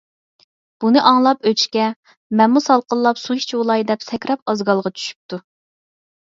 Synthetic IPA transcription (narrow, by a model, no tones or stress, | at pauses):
b̥unɨʔɑŋlˠɑpøt͡ʃkʲɛ | mɛnmusɑlˠqəlˠːɑpsuiʃt͡ʃolˠɑjd̪ɛpsɛkʲɾɑp̚ɑzɡɑlˠʁɑt͡ʃʰy̥ʃy̥p̚t̪ʰu